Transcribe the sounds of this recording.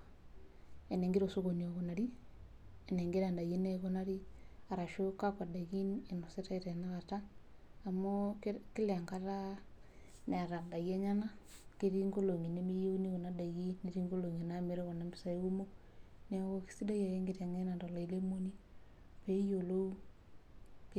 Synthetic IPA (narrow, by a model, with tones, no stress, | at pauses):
e˨ne˨ŋɡe˦ɾo˨so˦ɣo˨nio˨ɣona˨ɾi˦ | ene˨ŋɡe˦ɾa˨nda˨ɣi˦ne˦ɣo˦na˦ɾi˦a˨ɾa˨ʃo˦ka˦kwa˨da˨ɣi˦ne˨no˨se˦ta˦iɾe˨na˦ɣa˨taː˦˨ | moki˦le˨ŋɡaɾa | ne˨a˨ɾa˨da˨ɣe˦ɲa˦na˦ke˦ɾi˦ŋɡo˦lo˨ŋi˨ne˦mi˦je˦u˦ni˦ɣo˨na˦da˨ɣi˦neɾi˦ŋɡo˦lo˨ŋe˨na˦me˨ɾo˦ɣo˨na˨mbi˦sae˦ɣu˦mo˦ | ne˨o˦ki̥˦si˦da˦ja˨je˦ŋɡe˦ta˨ŋe˦na˨ndo˨la˨i˨le˦mo˦ni˦ | pe˦jolo˦u˦ | k